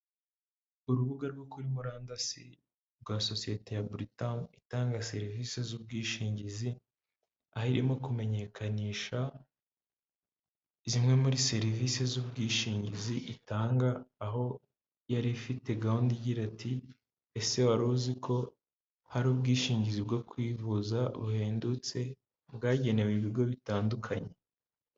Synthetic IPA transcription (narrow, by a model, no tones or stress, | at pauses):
uɾuβuɡaɾɡo̞kuɾimuɾaːndasḭ | ɾɡwaːso̞sije̞te̞jabɾitanitaːŋɡase̞ɾivisezubɡiːʃiːɲɟizi | ahiɾimo̞kume̞ɲe̞kʰaniːʃa | izimŋe̞muɾise̞ɾivise̞zubɡiːʃiːɲɟiziʔitaːŋɡaːɦo̞ | jaɾifite̞ɡaundiɟiɾatʰi | ese̞waɾuːzikʰo̞ | haɾuːbɡiːʃiːɲɟizib̚ɡo̞kwiːvuzaβuhe̞ːndut͡se̞ | bɡaːɟe̞ne̞weβiɾɡo̞βitaːndukʰaɲe̞